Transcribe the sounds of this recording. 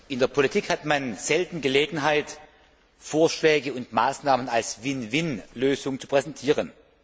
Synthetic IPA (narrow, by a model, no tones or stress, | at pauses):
ʔɪndeːɐpʰolitʰiːkhatmanz̥ɛltn̩ɡəleːɡŋ̩ɦaɪt | foːɐʃlɛːɡəʊntmaːsnaːmənalsvɪnvɪnløːzʊŋt͡su̥pʁ̥ɛzɛntʰiːʁən